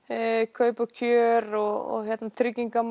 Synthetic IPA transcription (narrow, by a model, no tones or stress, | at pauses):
kʰœːɥpacʰœːɾɔɔ̰çjɛt̪nat̪ʰɾʏcːiŋkam